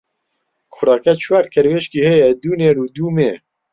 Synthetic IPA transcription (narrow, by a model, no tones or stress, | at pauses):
kʰʊɾɑːkɛt͡ʃʰwæːɾkʰɛɾweʃkiːhɛjɛd̪uːneːɾuːd̪uːme